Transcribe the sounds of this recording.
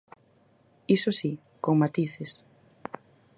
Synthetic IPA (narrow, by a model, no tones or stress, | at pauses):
isosi | koŋmat̪iθes